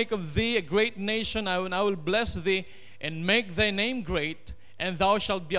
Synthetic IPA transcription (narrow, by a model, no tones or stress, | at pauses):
ɪkʌvðiɨɡɾeɪtneɪʃə̃naɪ̃naɪwɪlblɛsði | ʔɨ̃nmeɪk̚ðaɪnẽɪ̃mɡɾeɪt̚ | ʔɨ̃nðaʊʃælt̚bi